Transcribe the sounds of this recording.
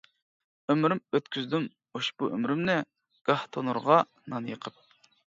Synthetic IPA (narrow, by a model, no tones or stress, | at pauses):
ømɾymøt̪kʲyzd̪ym | oʃbuʔø̰mɾymnɪ | ɡ̥ɑht̪ʰonuɾʁɑ | nɑnjəqʰəp̚